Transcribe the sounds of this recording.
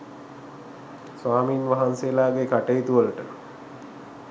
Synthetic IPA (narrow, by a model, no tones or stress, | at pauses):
sʋaːmiːnʋaɦanseːlaːɡekaʈejit̪uʋəlʈə